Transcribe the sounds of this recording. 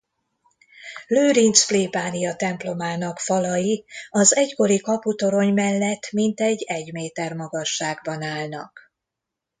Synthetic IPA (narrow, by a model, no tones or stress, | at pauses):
løːɾint̪sfliːpaːnijɒt̪ɛmplo̞maːnɒkfɒlɒjiɒzɛcko̞ɾikɒput̪o̞ɾo̞ɲmɛlːɛt̪ːmint̪ɛɟːɛɟmeːt̪ɛrmɒɡɒʃːaːɡbɒnaːlnɒ̰k